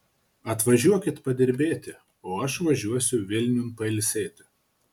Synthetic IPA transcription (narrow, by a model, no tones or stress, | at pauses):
ɐt̪ʋɐʒʲuɔkʲɪt̪pɐd̪ʲɪɾʲbʲeːt̪ʲɪ | oːɐʃʋɐʒʲuɔsʲʊʋʲɪlʲnʲʊnpɐɪlʲsʲeːt̪ʲɪ